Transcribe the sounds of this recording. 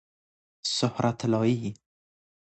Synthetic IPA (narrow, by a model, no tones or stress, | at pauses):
sʊhɾat̪ʰlɔːji